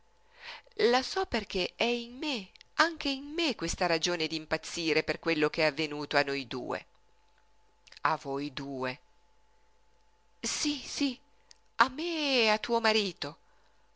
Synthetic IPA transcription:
lasɔperk̟eɛinmeaŋk̟einmekwest̪aɾad͡ʒoːned̪iːmpat̪sːiːɾeperkwelːokeɛavːenuːt̪oanːojd̪ṵːḛ | avojd̪uːe | sisi | amːeat̪ːuːomaɾiːt̪o

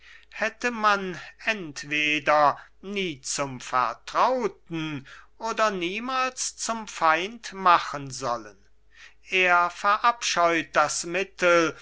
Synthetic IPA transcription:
hɛtəmanɛntv̥eːdɐniːt͡sʊmfɛ̰ɐtʁ̥aʊtn̩ʔoːdɐniːmaːlst͡sʊmfaɪntmaχənzɔlən | ʔeːɐfɛɐʔapʃɔʏt̚d̥asmɪtʰl

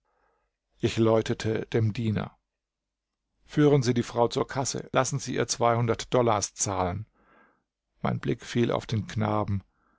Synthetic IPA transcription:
ʔɪçlɔʏtətʰəd̥eːmdiːnɐ̰ | fyːʁ̞ənziːdiːfʁ̥aʊt͡suːɐkʰasə̰lʔasn̩ziːʔiːɐt͡sv̥aɪhʊndɐtd̥ɔlast͡saːlən | maɪnblɪkfiːlʔa̰ʊfd̥eːnkʰnaːbm̩

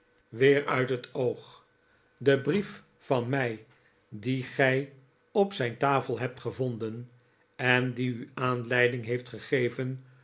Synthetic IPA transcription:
ʋɪːɹœ̰ɥtɦətowχ | dəbrif | fɑnmɛj | diχɛj | ɔpsɛjntaːfəlˠɦɛp̚tχəvɔndən | ɛndiyaːnlɛjdɪŋɦejftχəχejvən

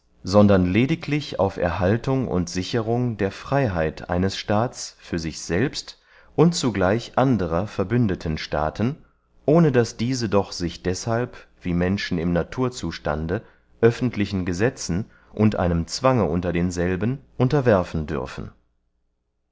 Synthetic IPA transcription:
zɔndɐnleːdɪkʰlɪça̰ʊfʔɛ̰ɐɦaltʰʊŋʊ̰ntz̥ɪçəʁʊŋdeːɐfʁ̥aɪɦaɪtʰʔa̰ɪnəsʃtaːt͡sfyːɐzɪçz̥ɛlpst | ʔʊntt͡suɡlaɪçʔandəʁɐfɛɐbʏndətʰənʃta̰ːtʰn̩ | ʔoːnədasd̥iːzədɔχz̥ɪçd̥ɛshalpv̥iːmɛnʃn̩ɪmnatʰuːɐt͡suːʃta̰ndə | ʔœfn̩tʰlɪçn̩ɡəzɛt͡sn̩ | ʔʊntʔa̰ɪnəmt͡sv̥aŋəʔʊntɐdeːnzɛlbənʔʊntɐvɛɐfn̩dʏ̰ɐfn̩

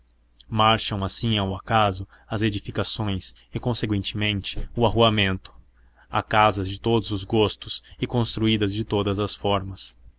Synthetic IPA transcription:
maɾʃɐ̃w̃asĩawakazʊ | ɐzed͡ʒifikasõj̃s | ɪkõsekwẽnt͡ʃɪmẽnt͡ʃɪ̥ʊaɦuamẽnt̪ʊ̥ | a̰kazɐzd͡ʒɪt̪od̪ʊzʊzɡost̪ʊsɪkõst̪ɾuid̪ɐzd͡ʒɪt̪od̪ɐzɐsfɔɾmɐs

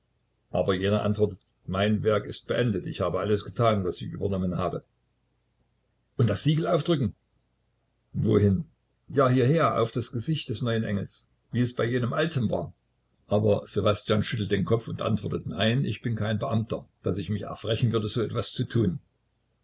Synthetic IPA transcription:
ʔa̰ːbɐjeːnɐʔa̰ntv̥ɔɐtət | maɪnvɛɐkɪst̚b̥əʔɛndətɪ̰çhaːbəʔaləsɡ̥ətʰaːnvasɪçʔy̰ːbɐnɔmənhaːbə | ʔʊnt̚d̥asz̥iːɡl̩aʊfd̥ʁʏkŋ̩ | voːɦɪn | jaːhiːɐheːɐʔa̰ʊfd̥asɡ̥əzɪçt̚d̥ɛsnɔʏənʔɛ̰ŋl̩s | viːɛsb̥aɪjeːnəmʔaltʰənva̰ːɐ | ʔaːbɐz̥ebastjaːnʃʏtl̩t̚d̥eːnkʰɔp͡fʊntʔa̰ntv̥ɔɐtətnaɪnɪ̰çb̥ɪnkʰaɪnbəʔamtɐd̥asɪçmɪçɛ̰ɐfʁ̥ɛçn̩vʏɐdəzoːɛtv̥ast͡sutʰuːn

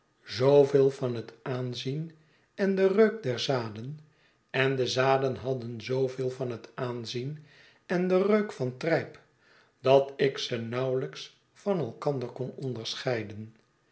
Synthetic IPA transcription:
zowvɪːlˠvɑnɦətaːnzin | ɛndərøɥk̚dɛɹzaːdən | ɛndəzaːdənɦɑdənzowvɪːlˠvɑnɦətaːnzin | ɛndərøɥkfɑntrɛjp | d̥ɑtɪksənɑwləks | fɑnɛlˠkɑndəɹkɔnɔndəɹsχɛjdən

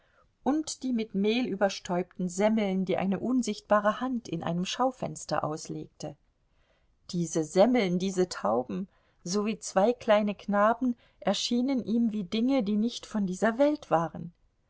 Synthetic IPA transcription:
ʔʊntd̥iːmɪtmeːlyːbɐʃtʰɔʏp̚tn̩zɛml̩ndiːʔa̰ɪnəʔʊnzɪçt̚b̥aːʁəhantɪ̰nʔa̰ɪnəmʃaʊfɛ̰nstɐ̰ʔa̰ʊslḛːk̚tə | d̥iːzəzɛml̩ndiːzətʰaʊbm̩ | zoviːt͡sv̥aɪkʰl̥aɪnəknaːbm̩n̩ | ʔɛɐʃiːnənʔiːmviːdɪŋədiːnɪçtfɔndiːzɐvɛltv̥aːʁən

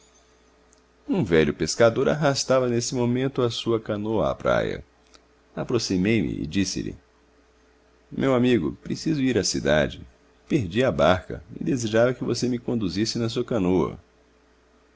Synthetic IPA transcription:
ũvɛʎʊpeskad̪oɾaɦast̪avɐnesɪmomẽnt̪ʊɐsuɐkɐnoɐa̰ːpɾa̰jɐ̰ | apɾosimejmɪ̰ɪ̰d͡ʒisɪ̰lɪ | mʔewamiɡʊ̰pɾesizʊiɾɐsid̪a̰d͡ʒɪ | peɾd͡ʒiabaɾkɐ̰ɪd̪ezeʒavɐkɪvosemɪkõnd̪uzisɪnɐs̬uɐkɐ̃noɐ̰

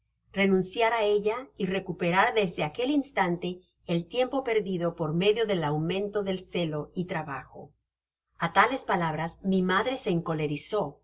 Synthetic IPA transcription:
re̞nũnsjaɾae̞ʎaire̞kupe̞ɾaɾðe̞zðe̞ake̞linst̪ant̪e̞ː | lt̪je̞mpo̞pe̞ɾðiðo̞po̞ɾme̞ðjo̞ðe̞lawmẽ̞nt̪o̞ðe̞lse̞lo̞it̪ɾaβaxo̞̰ | at̪ale̞spalaβ̞ɾazmimaðɾe̞se̞ːŋko̞le̞ɾiso̞

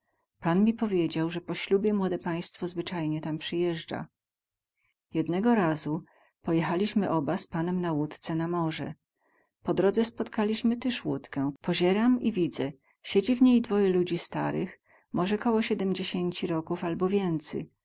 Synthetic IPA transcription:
panmʲipɔvʲjed͡ʑawʐɛpɔɕlʲubʲjɛmwɔd̪ɛpaj̃st̪fɔzvɘt͡ʂajɲɛt̪ampʂɘjɛʐd͡ʐa̰ | jɛd̪nɛɡɔɾazu | pɔjɛxalʲiɕmɘʔɔbaspanɛmnawut̪t̪sɛnamɔʐɛ̰ | pɔd̪ɾɔd̪zɛspɔt̪kalʲiɕmɘt̪ɘʂwut̪kɛ̃pɔʑɛɾamivʲid̪zɛ | ɕed͡ʑivɲejd̪vɔjɛlud͡ʑist̪aɾɘx | mʔɔʐɛkɔwɔɕɛd̪ɛmd͡ʑeɕeɲt͡ɕiɾɔkufalbɔvʲjɛnt̪sɛ̰j

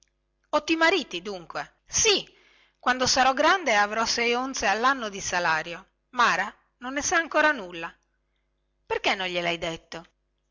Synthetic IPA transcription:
ɔt̪ːimaɾiːt̪id̪uŋkwe | si | kwand̪osaɾɔɡɾand̪eavɾɔsɛjont̪sealːanːod̪isalaːɾjo | maːɾa | nonːesaːŋkoːɾanulːa | perkenːonʎelajd̪et̪ːo

